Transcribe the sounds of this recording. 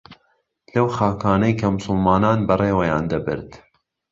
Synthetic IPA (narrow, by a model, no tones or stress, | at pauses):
lɐwxaːkʰaːnɐjkʰɐmʊsʊlmaːnaːnbɐreːwɐjaːnd̪ɐbɨ̰ɾt̪